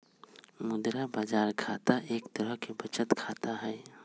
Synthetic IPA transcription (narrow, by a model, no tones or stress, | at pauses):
mʊd̪ɾabaːd͡ʒaːɾkʰaːt̪aʔeːkt̪əɾəɦkebʱət͡ʃət̪kʰaːt̪aɦɛː